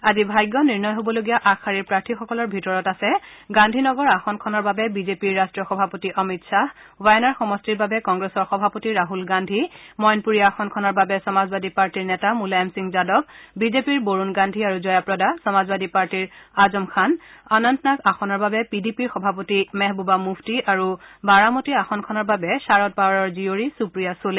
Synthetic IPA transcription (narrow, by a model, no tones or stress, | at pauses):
azibʱajɡːɔniɹnɔjɦobɔloɡijaʔakʰːaɹiɹpɹaɹtʰixɔkɔlɔɹbʱitɔɹɔtasɛɡandʱinɔɡɔɹaxɔnkʰɔnɔɹbabɛbizepiɹːastɹijɔxɔbʱapotiʔɔmitsa | wajɔnaɹxɔmɔstiɹbabɛkɔŋɡɹesɔɹxɔbʱapotiɹaɦulɡandʱimɔjnpuɹijaːxɔnkʰɔnɔɹbabɛsɔmazbadipaɹtiɹnɛtamulajamsiŋzadɔkbizepiɹboɹunɡandʱiaɹuzɔjapɹɔdasɔmazbadipaɹtiɹazɔmkʰananantnakaxɔnɔɹbabɛpidipiɹxɔbʱap̬otimɛɦbubamubʰtiʔaɹubaɹamotiaxɔnkʰɔnɔɹbabɛsaɹɔt̚paɹɔɹzioɹisupɹijasole